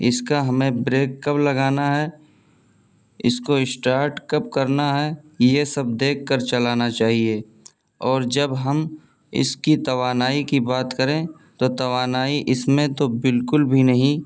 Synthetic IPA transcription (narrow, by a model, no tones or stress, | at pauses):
ɪ̰skaɦɐmẽbɾeːkːəplɐɡaːnaɦɛ | ɪskoɪsʈaːɾʈkɐp̚kɐɾnaɦɛjesɐb̚d̪eːkʰːəɾt͡ʃɐlaːnat͡ʃaːɦieː | ɔːɾd͡ʒɐbɦɐm | ɪ̰skit̪ɐʋaːnaːikibaːt̪kɐɾẽ | t̪ot̪ɐʋaːnaːiʔɪsmẽt̪obɪlkʊlbʱinɐɦĩ